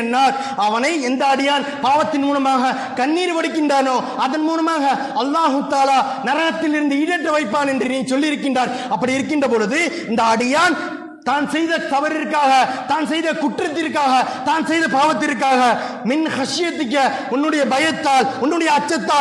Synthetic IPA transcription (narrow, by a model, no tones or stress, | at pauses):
nːaːɾ | ɐʋɐnɐɪɛnd̪ɐɐɽɪjaːnpaːʋɐt̪ːɪnmuːlɐmaːɣɐ | kɐnːiːɾɯpɐɽɯk̬ːɪndraːnoː | ɐðɐnmuːlɐmaːɣɐ | ɐlːaːɦʊt̪aːlaː | nɐɾɐɣɐt̪ːɪlɪɾɯnd̪ɯɪɽɛʈːɐʋɐɪpːaːnɛndrɯniːnsɔlːɪɪɾɯkːɪndraːɾ | ɐpːɐɽɪɪɾɯk̬ːɪndrɐpɔːɻɯðɯɪnd̪ɐɐɽɪjaːn | t̪aːnsɛjðɐt̪ɐʋɐɾɪɾkːaːɣɐt̪aːnsɛjðɐkʊʈrɐt̪ːɪrkːaːɣɐt̪aːnsɛjðɐpaːʋɐt̪̬ːɪɾk̬ːaːɣɐ | mɪnxɐʂɪjɐt̪ːɪkːɐ | ʊnːɯɽɐjɐbɐjɐt̪ːaːlʊnːɯɽɐjɐːt͡ʃːɐt̪ːaː